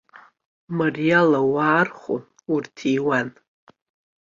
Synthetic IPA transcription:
marijalawaːrχʷo̰n | urtʰiwan

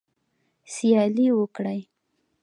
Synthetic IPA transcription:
sijɑliwəkɽaj

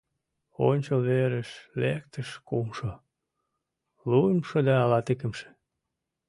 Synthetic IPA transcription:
o̰nʲt͡ɕolβeɾəʃlek̚t̪əʃkumʃo | luəmʃod̪ɑːlɑt̪ekə̆mʃĕ̥

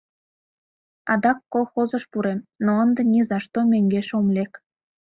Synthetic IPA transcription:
ɑd̪ɑkːolˠxozə̆ʃpuɾemnoənd̪ĕnʲizɑʃt̪omʲøŋɡeʃomlʲek

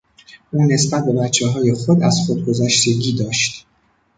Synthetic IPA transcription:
ʔuːne̞sbæt̪̚ʰbe̞bæt̪t͡ʃʰːeɦɒːje̞xo̞d̪æz̥xod̪̚ɡo̞zæʃt̪e̞ɡʲiːd̪ɒːʃt̪

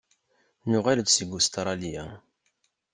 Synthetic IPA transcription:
nʊʁæləd̪səɡust̪ɾˤɑlijæ

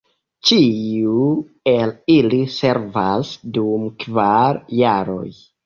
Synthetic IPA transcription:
t͡ʃiu | e̞lilise̞ɾvasdumkvaɾːaɾo̞̰j

